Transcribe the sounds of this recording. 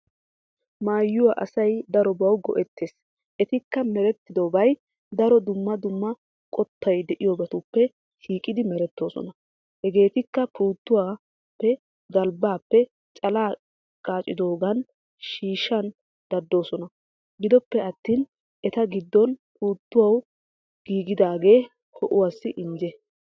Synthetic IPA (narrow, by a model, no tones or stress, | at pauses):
maːjːʊwaʔɐ̰sɐjd̪ɐɾɔbɐwɡɔ̰ʔɛt̪ːeːs | ʔɛt̪ɪkːɐmɛɾɛt̪ːɪd̪oːbɐj | d̪ɐɾɔd̪ʊmːɐd̪ʊmːɐ | kʼɔt̪ʰːɐjd̪ɛʔɪjɔbɐt̪ʊpːɛ | ʃiːkʼɪd̪ɪmɛɾɛt̪ːo̞ːsɔ̰nɐ | hɛɡe̞ːt̪ɪkːɐpʰuːt̪ːʊwaː | pːɛ | ɡɐlbaːpːɛ | t͡ʃʼɐlaː | kʼaːt͡ʃʼːɪd̪o̞ːɡɐn | ʃiːʃɐn | d̪̥ɐd̪ːo̞ːsɔnɐ | ɡɪd̪ɔpːɛɐt̪ːiːn | ʔɛt̪ɐɡɪd̪ːɔnpuːt̪ːʊwɐw | ɡ̥iːɡɪd̪aːɡe̞ː | hɔʔʊwaːsːɪʔɪɲd͡ʒɛ